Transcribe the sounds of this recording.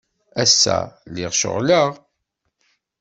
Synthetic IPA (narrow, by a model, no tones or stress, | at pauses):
æsːæ̰liʁʃə̰ʁləʁ